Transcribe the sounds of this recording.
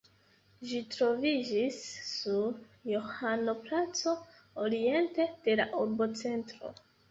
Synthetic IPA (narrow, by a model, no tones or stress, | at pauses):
ʒitɾo̞vid͡ʒisːuɾ | johano̞plat͡so̞ | oɾie̞nte̞d̥e̞laʔuɾbo̞t͡se̞ntɾo̞̰